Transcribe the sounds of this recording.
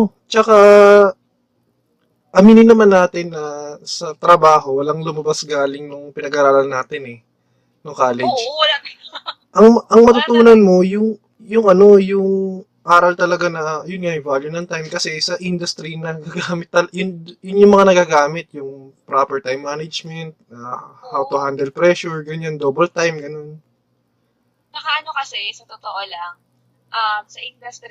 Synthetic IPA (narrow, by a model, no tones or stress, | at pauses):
ʔo | t͡ʃɐka | ʔɐmiːnɪnɐmanːaːt̪ɪnːɐsɐt̪ɾɐbaːɦo̞wɐlɐŋlʊmɐbasɡaːlɪŋnʊŋpɪnɐɡaːɾaːɾɐlnaːt̪ɪnɛ | nʊŋkaːlɛd͡ʒ | ʔɐŋʔɐŋmɐt̪ʊt̪uːnɐnmo̞jʊŋ | jʊŋʔɐno̞jʊŋ | ʔaːɾɐlt̪ɐlɐɡanɐjʊnŋavaljʊnɐnt̪ajmkɐsɛsɐʔɪnd̪ʊst̪ɾinɐnɐɡaɡaːmɪt̪ːɐljʊnjʊnjʊŋmɐŋanɐɡaɡaːmɪt̪̚jʊŋpɾapɛɹt̪ajmːaːnɐd͡ʒmɛnt̪̚ɐ̰hawt̪ʊhand̪ɛlpɾɛʃʊɹɡɐɲand̪oːbɐlt̪ajmɡɐno̞n | nɐkɐʔɐnokɐsɛsɐt̪ot̪oʔolaŋ | ʔamsɐʔɪnd̪ɐst̪